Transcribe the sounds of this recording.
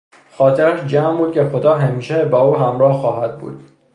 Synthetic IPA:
xɒːt̪ʰeɾæʃd͡ʒæːmbuːd̪̚cʲʰexo̞d̪ɒːɦæmiːʃebɒːuːɦæmɾɒːhxɒːɦæd̪̚bṵːd̪̥

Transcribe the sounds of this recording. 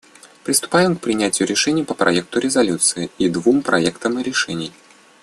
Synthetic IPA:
pɾʲɪst̪ʊ̥pajɪmk̚pɾʲɪnʲætʲɪjʊɾʲɪʂɛnʲɪjpəpɾʔɐ̰ɛk̚t̪ʊɾʲɪzɐlʲut̪sɨɪid̪vumpɾɐɛkt̪əmɨɾʲɪʂɛnʲɪj

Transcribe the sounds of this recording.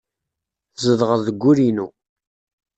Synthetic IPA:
zəðʁəððəɡʷːuɾinu

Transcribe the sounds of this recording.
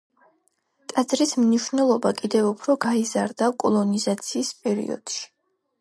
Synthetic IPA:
t̪ʼad̪zɾismniʃwnɛlˠɔbakʼid̪ɛvupʰɾɔɡaiza̰ɾd̪akʼɔlˠɔnizat̪sʰiːspʼɛɾḭɔ̰d̪̥ʃi̥

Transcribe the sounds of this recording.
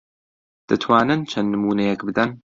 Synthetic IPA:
d̪̥ɐt̪ʰwaːnɨnt͡ʃʰɐnnɨmuːnɐjɛkbɨd̪ɐn

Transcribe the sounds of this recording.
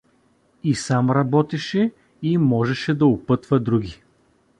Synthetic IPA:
isamɾɐbɔt̪ɛʃɛ | imɔʒɛʃɛd̪ɐʊpɤt̪vəd̪ɾuɡʲi

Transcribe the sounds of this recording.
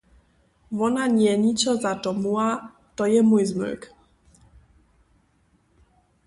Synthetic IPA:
vɔnaɲɛɲit͡sɔzatɔmua | t̪ɔjɛmujzmʉ̰k

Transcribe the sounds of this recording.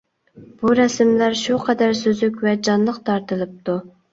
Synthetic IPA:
b̥uɾɛsmlæɾʃuqʰɛd̪æɾsøzykʲvɛd͡ʒɑnlˠəqt̪ʰɑɾt̪ɨlˠɨp̚t̪u

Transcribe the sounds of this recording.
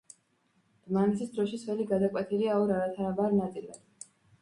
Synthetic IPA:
manɛsʰisd̪ɾɔʃisʰvɛliɡad̪akʼwɛt̪ʰiliaɔɾaɾat̪ʰanabaɾnat̪sʼila̰d̪̥

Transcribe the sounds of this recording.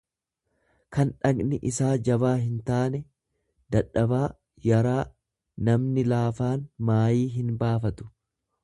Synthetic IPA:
kɐnᶑɐɡnɪʔɪsaːd͡ʒɐβaːɦɪnt̪aːnɛ | d̪̥ɐᶑːɐbaː | jɐɾaː | nɐmnɪlaːfaːnmaːjiːɦɪnbaːfɐt̪ʊ̥

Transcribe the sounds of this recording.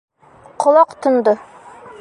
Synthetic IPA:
qʰŏlˠɑqt̪ŏnd̪ɤ

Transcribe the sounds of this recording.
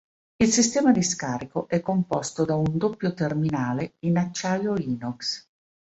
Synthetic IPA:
ilsist̪ɛːmad̪iskaːɾikoʔɛkːompɔst̪od̪aund̪opːjot̪erminaːleinat͡ʃːajoiːnɔks

